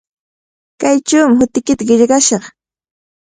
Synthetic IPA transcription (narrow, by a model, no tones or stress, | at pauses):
kajt͡ʃawmɪhʊt̪ɪkɪt̪aɢɪʎɢɑʃɑχ